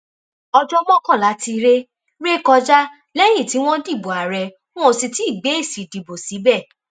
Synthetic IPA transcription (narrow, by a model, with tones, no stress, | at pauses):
ɔ˧d͡ʒɔ˦mɔ̃˦˨kã˦˨la˨˦ti˧ɾe˦ | ɾe˦kɔ˧d͡ʒa˦ | lɛ˦j̃ĩ˦˨ti˨˦w̃ɔ̃˦di˦˨bo˨a˨ɾɛ̃˨ | ɔ̃˦o˧si˧ti˦i˦˨ɡ͡be˨˦i˦˨si˨di˨bo˨si˨˦bɛ˦˨